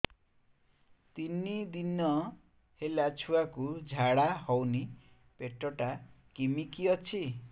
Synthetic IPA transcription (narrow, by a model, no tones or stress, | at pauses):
t̪inːid̪inːʌ | helat͡sʰuakud͡zʱaɽaɦʌwni | peʈrʌʈakimikiʌt͡sʰi